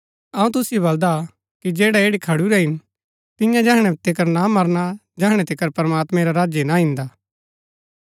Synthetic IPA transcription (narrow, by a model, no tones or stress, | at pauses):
ɐũt̪̬ʊsjoβɐld̪a | kid͡ʒeːɽaeːɽikʰɐɽuɾɛɦɪn | t̪ɪjãd͡ʒɛɦɽ̃ɛ̃t̪ɪk̬əɾnamɐɾna | d͡ʒɛɦɽ̃ɛ̃t̪ɪkəɾpɐɾmaːt̪mɛ̃ɾaɾaːd͡ʒjenaɦɪ̃nd̪aː